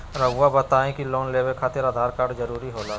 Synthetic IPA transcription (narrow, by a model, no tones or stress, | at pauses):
ɾəɡʊwabɐt̪aːẽkiloːnleːwekʰaːt̪eɾaːd̪ʱaːɾkaːɾɖzɐɾuːɾiɦoːlaː